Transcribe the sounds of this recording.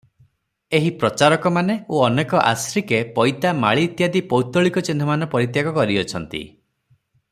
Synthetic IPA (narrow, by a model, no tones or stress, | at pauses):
eɦipɾɔt͡ʃaɾɔkɔmaneoɔnekɔʔa̰sɾikepɔjt̪ama̰ɭiːt̪jad̪ipɔwt̪ɔɭikɔt͡ʃinɔmanɔpɔɾit̪jakɔkɔɾiɔt͡ʃʰɔnt̪ḭ